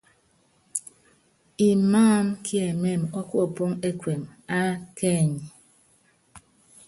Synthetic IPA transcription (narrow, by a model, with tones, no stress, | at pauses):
i˨maː˦˨˦mkʰi˦e˨me˦˨mɔ˦ku˦ɔ˨po˦ŋe˦kwe˨ma˦ke˦˨ɲi˨